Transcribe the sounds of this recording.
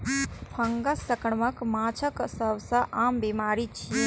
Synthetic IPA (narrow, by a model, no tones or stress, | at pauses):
pʰɐŋɡɐsɐkɳmɐkmaːt͡ʃʰəksɐwsɐʔaːmbimaːɾit͡ʃʰi